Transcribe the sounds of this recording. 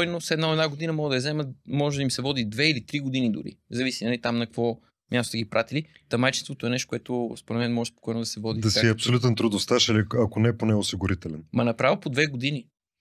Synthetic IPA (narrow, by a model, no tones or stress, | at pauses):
ɔjnosɛd̪naoɛd̪naɡod̪inɐmɔɡəd̪ɐjɐzɛməmɔʒɛd̪imsɛvɔd̪id̪vɛilit̪ɾiɡod̪inid̪ʊ̰ɾḭzɐvisinɐlit̪amnɐkkvɔ | mʲjast̪o̥t̪ɛɡipɾat̪ili | t̪ɐmajt͡ʃinst̪vot̪oɛnɛʃt̪okʊɛt̪ospoɾɛt̪mɛnmɔʒɛspo̥kɔjnod̪ɐsɛvɔd̪id̪ɐsiɐpsolʲut̪ɛnt̪ɾud̪ost̪aʃiliɐkonɛponɛosiɡʊɾit̪ɛlɛnmɐnɐpɾavəpod̪vɛɡod̪ini